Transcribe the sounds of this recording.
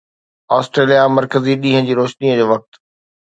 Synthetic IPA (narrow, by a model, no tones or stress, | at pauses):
ɔːsʈɾeːlijamɐɾkəziɗĩːɦə̃d͡ʑiːɾoːʃniəd͡ʑoːʋɐk̚t̪